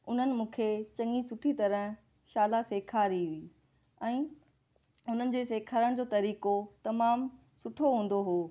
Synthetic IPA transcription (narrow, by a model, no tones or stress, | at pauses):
ʊn̤ənɪ̆mũːkʰet͡ɕɐ̃ŋisʊʈʰit̪ɐɾə̃ | ʃaːlaseːkʰaːɾiɦʊiː | ɛ̃ː | ʊn̤ənɪ̆d͡ʑeːseːkʰaːɾəɽ̃d͡ʑoːt̪ɐɾiːkot̪ɐmaːm | sʊʈʰoɦũːn̆d̪oɦoː